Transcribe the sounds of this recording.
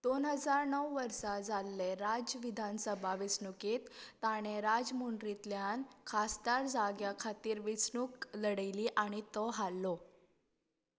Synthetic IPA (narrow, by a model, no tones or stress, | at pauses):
d̪̥onɦəd͡zaɾnəwʋəɾsad͡zʱalːeɾad͡zəʋid̪ʱansəbʱaʋisnukiːt̪ːaɽ̃eɾad͡zmuɳɖɾit̪ljankʰasd̪aɾd͡zaɡjakʰat̪iːɾʋisɳukləɽəjliːʔaɽ̃it̪ɔɦalːo